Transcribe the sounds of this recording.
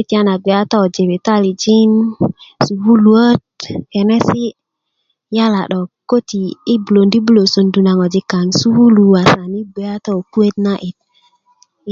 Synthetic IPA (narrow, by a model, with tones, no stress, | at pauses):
i˦ti˦a˦na˨ɡʷe˨a˦ta˦ɔ˨d͡ʒe˨be˨ta˦li˨d͡ʒi˦nsu˨βu˦lu˨˦ə˦t̚kɛ˨nɛ˦si˦ | ja˦la˨ɗɔ˨ko˦ti˨i˦bu˨lo˨ndi˦bu˦lo˨so˨ndu˨na˨ŋɔ˨d͡ʒi˨ka˨ŋsu˦wu˦lu˨a˨sa˨ni˦ɡʷe˨a˦tɔ˦o˨ku˦e˦tna˦ʔi˨t̚